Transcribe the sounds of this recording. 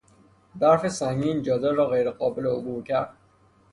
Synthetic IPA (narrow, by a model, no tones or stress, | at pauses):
d̪æɾfesæŋɡiːnd͡ʒɒːd̪ɒɾɒːɣejɾeɣɒːbeleobuːɾcʰæɾd̪̥